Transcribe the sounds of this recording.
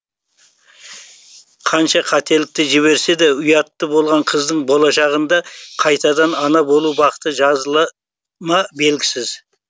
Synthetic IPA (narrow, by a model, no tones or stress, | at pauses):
qʰɑnʃɑqʰɑt̪e̞lɪk̚t̪ɪʒɪβe̞ɾse̞d̪eʊjɑt̪ːəbo̞lˠʁɑɴqʰəzd̪əɴbo̞lˠɑʃɑʁənd̪ɑqʰɑjt̪ɑd̪ɑnɑnɑbo̞lˠubɑqə̥t̪əʒɑzəlˠ | mɑbe̞lɡʲɪsɪz